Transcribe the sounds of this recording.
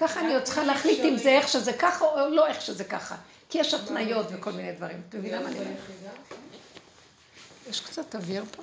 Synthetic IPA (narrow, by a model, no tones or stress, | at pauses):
kaχaːniʁot͡sχaleaχlit̪imzeeχʃezekaχaolo̞e̞χʃezeka̰χa̰ | kijeʃatnajo̞tveko̞lminejdvaʁimat̪amevinlamaːnimeʁ | jeʃkt͡sat̪aviʁpo